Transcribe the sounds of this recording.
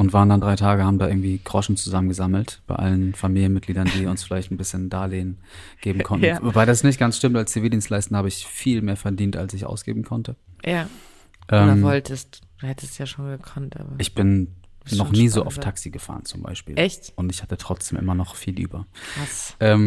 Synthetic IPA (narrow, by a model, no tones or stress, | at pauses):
ʔʊntv̥aːʁəndandʁaɪtʰaːɡəhaːbm̩daʔɪɐɡŋ̩tv̥iːɡ̥ʁ̥ɔʃn̩t͡suzamənɡəzaml̩tb̥aɪʔa̰lənfamiːljənmɪt̚ɡ̥liːdɐndiːʊnsfɪlaɪçtn̩bɪsçəndaːleːn | ɡ̥eːbm̩kʰɔntnvobaɪdasnɪç̬t̚ɡ̥ansʃtɪmtalst͡seveːdiːnstlaɪstn̩haːbəɪçfiːlmeːɐfɛɐdiːnta̰lsɪçʔa̰ʊsɡ̥ḛːbm̩kʰɔntəja | ʔɛːvɔltʰəstd̥uhɛtə̥stjaːʃoːnɡəkʰɔntʔa̰ːbɐʔɪçb̥ɪnnɔχnniːzoːʔa̰ʊftʰaksiɡəfa̰ːʁənt͡sʊmba̰ɪʃpḭːlɛçtʔʊntɪçhatətʁ̥ɔt͡sd̥eːmʔɪ̰mɐnɔχfiːlʔy̰ːbɐvasʔɛːm